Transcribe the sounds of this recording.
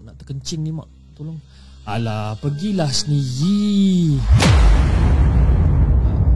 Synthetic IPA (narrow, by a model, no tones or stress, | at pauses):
naʔt̪ə̥kəɲt͡ʃɪŋnima̰ʔ | t̪olɔŋ | alapəɡilahsəniɣi | a